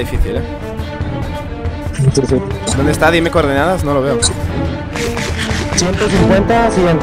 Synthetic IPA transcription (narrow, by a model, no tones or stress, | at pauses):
ðifiθilʎa | t̪eɾfed̪ond̪est̪aðimekoɾðinaðasno̞loβe̞o | sjent̪osiŋkwent̪asiɣent̪